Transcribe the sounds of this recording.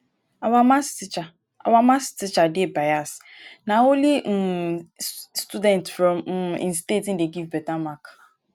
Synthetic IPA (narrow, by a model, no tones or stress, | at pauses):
awamasit͡ʃa | a̰wamastit͡ʃadɪebajasnaoli | studɛ̃ntfɾɔ̃m̩ḭ̃n̩stetin̩deɡivbɛtamak